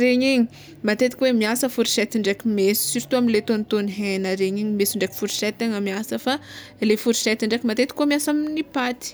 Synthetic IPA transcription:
ɾeɲiɲi | mat̪et̪i̥kʲwemiasəfuɾiʃɛt̪iɳɖ͡ʐekimesi̥siɾit̪uamilet̪onit̪onɦenəɾeɲiɲimesiɳɖ͡ʐekʲi̥fuɾi̥sɛt̪eŋəmiasəfa | lefuɾiʃɛt̪iɳɖ͡ʐekʲimat̪et̪i̥kːomiasaminipat̪i̥

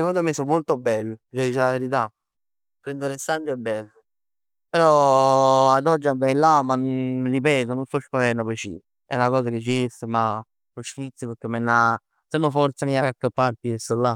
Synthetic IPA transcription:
sekond̪omesommːolt̪obɛlːt͡ʃɛd̪it͡ʃelaʋeɾit̪̬a | pːɾɛnd̪oɾesand͡ʒoɛbːɛlː | peɾɔ | ad̪ɔd͡ʒːiavɛjlamːanonripɛːt̪ononsɔskalɛɾnopɔt͡ʃḭ | ɛ̰nakɔːsaket͡ʃːiest̪ema | loʃfit̪sipeɾk̟ːemːenːa | senːofɔɾt̪samiakakːəpːaɾp̪iesolːa

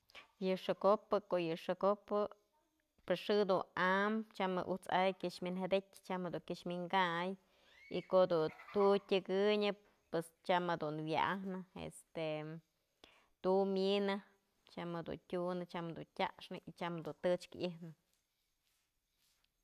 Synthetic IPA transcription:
jɨʂɨkopɨkoʔjɨʂɨkopɨ | pɨsʂɨd̪unamt͡ʃamɨ̰ʔut͡sa̰jkʲɨʂmʲinɦed̪ekʲt͡ʃamhed̪uŋkʲiʂmʲiŋɡaj | ḭkoʔd̪ut̪utʲɨɡɨɲɨp̚ːwest͡ʃamed̪unwja̰ʔahnɨḛst̪e | t̪uminɨ | t͡ʃamɨd̪ṵntʲunɨt͡ʃamd̪untʲa̰ʔʂnɨʔit͡ʃamd̪unt̪ɨt͡ʃkihnɨ

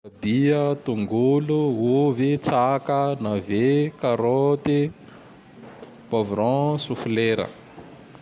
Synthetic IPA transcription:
biət̪uŋɡuluuvit͡sakənavekaɾot̪i | povɾɔ̃sufleɾə̰

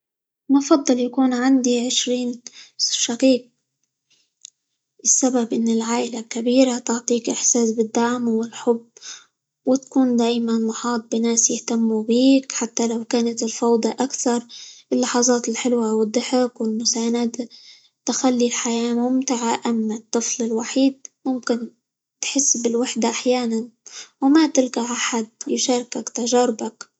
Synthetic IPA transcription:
mafɑd̪ˤːɑljakuːnʕand̪iʕɪʃɾiːnʃaqiːq̚ | ʔɪsːababʔɪnːɪlʕaːʔɪlakabiːɾat̪ʊʕt̪ˤiːkʔɪħsaːsbɪd̪ːaʕmwɪlħʊbː | wɪt̪ḁkuːnd̪aːjmanmʊħɑːt̪̚ˤbɪnaːsjɪht̪amːubiːkħat̪ːalawkaːnat̪ɪlfɑwd̪ˤɑʔakθɑɾˤʔɪlːɑħɑzˤɑːt̪ɪlħɪlwawɪd̪ˤːɪħɪkwɪlmʊsaːnad̪a | t̪ɪxalːilħajaːmʊmt̪ɪʕaʔamːat̪ˤːɨflɪlwaħiːd̪̚mʊmkɪn | t̪ħɪsːbɪlwaħd̪aʔaħjaːnanwmat̪ɪlkaʕaħad̪̚jʊʃaːɾˤkakt̪aʒaːɾɪbak

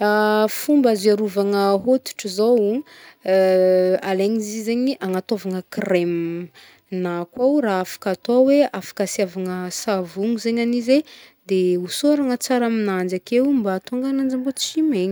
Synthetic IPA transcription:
afumbaziaɾuvaŋəɦot̪u̥ʈ͡ʂizow | aleɲizizeɲiʔaŋat̪avaŋəkrem | nakwawraafḁkat̪oweafḁkasiavaŋəsavuŋuzeɲanize | d̪eusoaɾaŋət͡saɾaminand͡ʒakewmbat̪oŋɡanand͡ʒimbot͡simeɲi̥

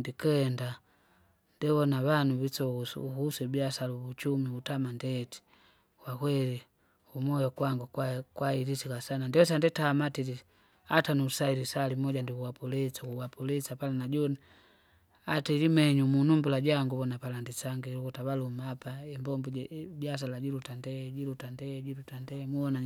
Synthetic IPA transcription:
ndikɛnda | ndɛβɔnaβanuβit͡ʃɔsuusɛbiasaluβut͡ʃumiutamandɛti̥ | kwakwɛli | umɔjɔkwaŋɡukakwailisikasanandiɔs̬andɛtamatili | atanusailisalimɔɟandikuwapulɛsakuwapulɛsapalanaɟɔni | atiɾimɛɲumunumbulaɟaŋɡuβɔnapalandisaŋɡilukutaβalumapaimbɔmbubjas̬alaɟilutandɛɟilutandɛɟilutandɛmuɔna

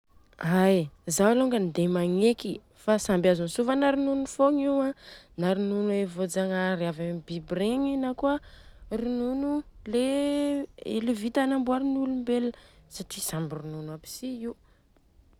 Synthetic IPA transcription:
ajzawaloŋɡənid̪emaŋeki | fasambjazunisuvanaɾinunufoŋiwãnaɾinunuevod͡zaŋaɾiavambibɾeŋinakuərinunule | ḛlivit̪anambuaɾinulumbeləsaʈ͡ʂisambirinunapi̥siiw

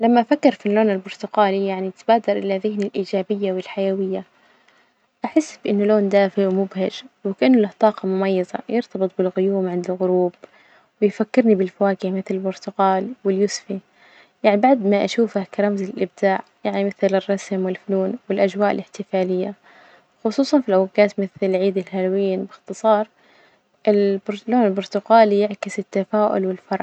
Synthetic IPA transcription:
lamːaʔafakːɪɾfinloːnɪlbʊɾt̪ʊqaːlijaʕnit̪baːd̪ɑɾˤʔɪlaðɪɦnilʔiːd͡ʒaːbɪjːawɪlħajawɪjːa | ʔaħɪsːbɪʔɪnːʊloːnd̪aːfiwmʊbhad͡ʒwɪkaʔanːʊlaht̪ˤɑːqɑmʊmɑjːɑzɑ̰jɪɾt̪ɑbɨt̪ˤbɪlɣʊjuːmʕɪnd̪ɪlɣʊɾuːb̚ | wɪjfakːɪɾnibɪlfawaːkɪhmɪθlɪlbʊɾt̪ʊqɑːlwɪljʊsfi | jaʕnibaʕd̪maʔaʃuːfahkaɾˤɑmzɪlʔɪb̚d̪aːʕjaʕnimɪθlɪrˤːɑsmwɪlfʊluːnwɪlʔad͡ʒwaːʔɪ̰lɪħt̪ɪfaːlɪjːa | xʊsˤuːsˤɑnfilʔawɪɡːaːt̪mɪθlʕiːd̪ɪlɦalwiːnbɪxt̪ɨsˤɑːɾˤ | ʔɪlbʊɾloːnɪlbʊɾt̪ʊɡaːlijɪʕkɪsɪt̪ːafaːʔʊ̰lwɪlfɑɾˤʕ

